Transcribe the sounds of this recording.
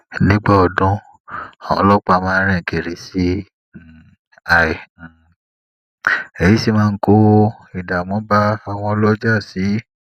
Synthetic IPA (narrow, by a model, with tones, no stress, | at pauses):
nĩ˦ɡ͡ba˦ɔ˨dũ˦ | a˨ɔ̰̃˨˦lɔ˦k͡pa˧mãː˦˧˦ɾ̃ɛ̃˦˨ɡe˨ɾe˨si˨˦˨ | a˨ĩ˨ | e˨ji˨˦si˦˧mãː˦˧˦ko˦i˨da˨mɔ̃˨˦ba˦a˦˨w̃ɔ̃˧˦lɔ˦d͡ʒa˦˨si˨˦